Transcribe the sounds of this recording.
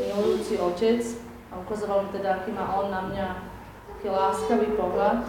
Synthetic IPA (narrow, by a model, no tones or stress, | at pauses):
miɦujuːt͡siɔcɛt͡s | aukaːzaalmt̪ɛd̪aakiːmaːʔɔnːamɲa | t̪akiːlaːskaʋipɔɦlat̪